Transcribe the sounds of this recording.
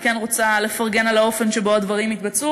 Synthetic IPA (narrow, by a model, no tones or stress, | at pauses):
kenʁot͡sale̞faʁɡe̞nalao̞fe̞nʃebo̞ad̪vɐʁimit̪bat͡su